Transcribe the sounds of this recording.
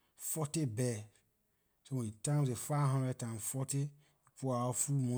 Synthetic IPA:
fɔtibɛ | sowɛ̃itãmzefaɦɔ̃ndɾɛtãmfɔti | ipuaɔfumɔ̃

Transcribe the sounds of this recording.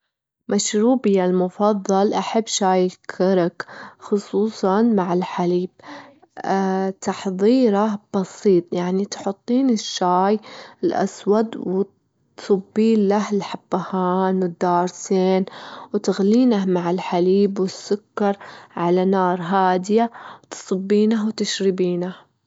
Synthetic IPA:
maʃɾuːbɪjalmʊfɑðˤːɑlʔaħabːʃaːjkʰːɪɾakxʊsˤuːsˤɑnmaʕɪlħaliːb̥̚ | t̪ɑħðˤiːɾɑb̥ɑsiːt̪ˤjaʕnit̪ħʊt̪ˤːiːnɪʃːaːjɪlʔa̰swad̪wɪ | sˤɑbːiːnlahɪlħabːahaːnwɪd̪ːɑːɾˤseːnwt̪aɣliːnahmaʕɪlħaliːbwɪsːʊkːɑɾˤʕalanɑːɾˤɦaːd̪ɪjawt̪sˤɨbːiːnaɦwt̪ɪʃɾɪbiːnah

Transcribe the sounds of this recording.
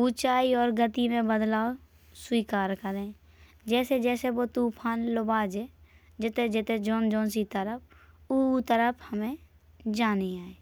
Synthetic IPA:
ut͡ʃaːiɔːɾɡət̪imẽbəd̪laːo | swiːkaːɾkəɾẽː | d͡ʒɛːsed͡ʒɛːsebot̪uːpʰaːnlobaːd͡ʒe | d͡ʒɪt̪ed͡ʒɪt̪ed͡ʒoːnd͡ʒõːnsit̪əɾəp̚ʰ | ut̪əɾəpʰhəmẽ | d͡ʒaːneaːeː

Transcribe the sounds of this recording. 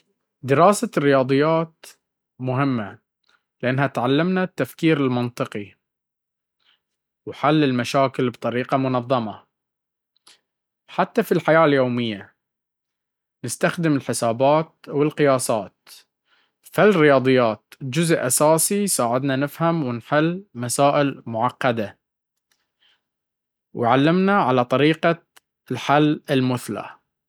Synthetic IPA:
d̪ɪɾɑːsarːɪjɑːd̪ˤɨjːaːt̪ | mʊɦɪmːa | lɪʔanːhat̪ʕalːamnat̪ːafkiːɾɪlmɑnt̪ˤɨqi | wħalːɪlmaʃaːkɪlbt̪ˤɑɾiːqɑmʊnɑðˤːɑmɑ | ħat̪ːafilħajaːljoːmɪjːa | nɪst̪axd̪ɪmɪlħɪsaːbaːt̪̚wɪlqɪjɑːsˤɑːt̪̚ | falrɪjɑːd̪ˤɨjːaːt̪̚d͡ʒʊzʔʔasaːsisaːʕɪd̪nanɪfhamwɪnħɪlːmasaːʔɪlmʊʕɑqːɑd̪a | wʕalːɪmnaʕalat̪ˤɑɾiːqa | ɪlħalːɪlmʊθla̰

